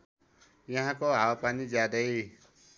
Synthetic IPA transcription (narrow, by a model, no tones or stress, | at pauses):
jaɦãkoɦawpanid͡ʒad̪əj